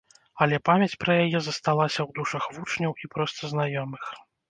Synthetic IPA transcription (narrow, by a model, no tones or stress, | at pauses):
ɐlʲɛpamʲɐt͡sʲpɾɐjajɛzɐst̪alˠasʲɐwd̪uʂɐxvut͡ʂnʲɐwipɾɔst̪ɐznajɔmɨx